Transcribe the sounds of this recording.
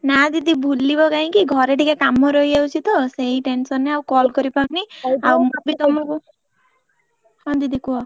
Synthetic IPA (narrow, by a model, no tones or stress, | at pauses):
nad̪id̪ibʱulːibɔkaɦĩkiɡʱɔɾeʈikakamɔɾɔɦieut͡ʃʰit̪ɔseɦiʈensɔnːeawkɔlkɔɾipaniawmabit̪ɔmɔku | hɔd̪id̪ikuɔ